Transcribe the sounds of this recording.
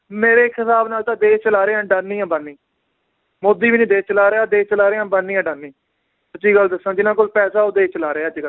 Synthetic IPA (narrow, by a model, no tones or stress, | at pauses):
meːɾeːkʰɪt̪aːbnaːlt̪ãːd̪eːt͡ʃəlaːɾeːãːɖaːnːĩːãːbənːĩː | mod̪ːiːʋiːnĩːd̪eːt͡ʃəlaːɾeaːd̪eːt͡ʃəlaːɾeːãːbənːiːãɖaːnːĩː | sʊt͡ʃːiːɡəld̪əsãːd͡ʒɪnãːkolpɛːsaːʊd̪eːt͡ʃəlaːɾeɛːəd͡ʒɡəl